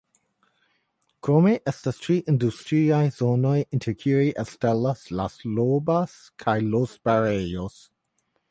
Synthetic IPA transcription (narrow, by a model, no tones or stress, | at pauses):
kɾomeʔɛstastɾiʔindustɾiajzonojintʰekʰiɾiʔestelasla̰slobas | kʰajlosbaɾejos